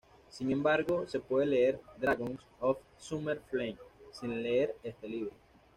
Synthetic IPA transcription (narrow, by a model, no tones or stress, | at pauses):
siŋẽmbaɾɣosepweðeleeɾd̪ɾaɣoŋs | of | sumeɾfleŋsĩnleeɾest̪eliβɾo